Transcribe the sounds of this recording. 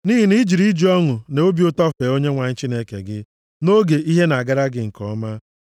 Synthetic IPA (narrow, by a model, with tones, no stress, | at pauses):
ni˦ɦi˨ni˦d͡ʒi˨ɾi˦d͡ʒi˨ɔ˦ŋʊ˨ne˨o˦bjʊ˦tɔ˦fe˨o˦ɲe˦ŋʷa˨ɲɪ˦t͡ʃi˦ne˦kḛ˨ɡɪ˦ | no˦ɡe˨i˦ɦe˦na˨ɡa˦ɾa˦ɡɪ˨ŋ̩˨kɔ˦ma˦